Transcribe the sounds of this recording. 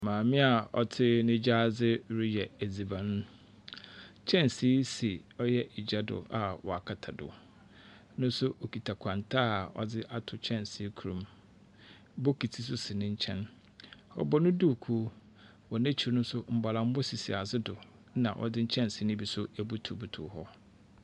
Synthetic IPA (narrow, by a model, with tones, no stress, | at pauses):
mãː˨mɪ̃˦a˨ɔ̰˨tʰɪ˦nɪ̃˦d͡ʑa˦˨d͡zɪ˦ɾi˦jɛ˨æ˨d͡zi˨bã˨nʊ̃˦ | t͡ʃʰɛ̃˦nsi˦si˨ɔ˦jɛ˦ʔɪ˨d͡ʑa˦dʊ̰˨a˨wɔ̰˨a˨kʰa˨tʰa˨dʊ̰˨ | nʊ̃˦n˦sʊ˦ʔo˨kʰi˨tʰa˨kʰã˨ntʰaː˦˨ɔ̰˨dɪ˦ʔa˦tʰʊ˨t͡ɕʰɛ̃˦nsi˦kʰu˨ɾũ˨m | bo˦kʰi˨tʰi˨s̬ʊ˦sɪ˨nɪ̃˦ɲ̩˦t͡ɕʰɛ̃˦n | ɔ̰˨bɔ˦nʊ̃˦du˦˨kʰu˦ | wɔ˨nɛ̃˦t͡ɕʰi˨˦nʊ̃˦sʊ˦m̩˨ba˨lã˨m˦bʊ˦si˨si˨a˨zɪ˦dʊ˨˦ | nã̰˨ʔɔ̰˨dɪ˦ɲ̩˦t͡ɕʰɛ̃˦n˨sɪ˦nɪ̃˦bi˨sʊ˦æ˨bu˦tʰu˨bu˨tʰʊ̰˨hɔ˦